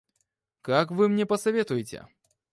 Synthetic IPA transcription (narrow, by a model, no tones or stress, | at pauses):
kakvɨmnʲɛpɐsavʲɛt̪ujɪt͡sʲɛ̰